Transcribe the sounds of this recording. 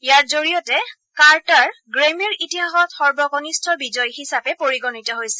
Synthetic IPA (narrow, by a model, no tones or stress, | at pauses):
ijaɹzoɹijɔtɛ | kaɹtaɹɡɹemiɹitiɦaxɔtxɔɹbɔkɔnistʰɔbizɔjhisapɛpoɹiɡɔnitɔɦojsɛ̥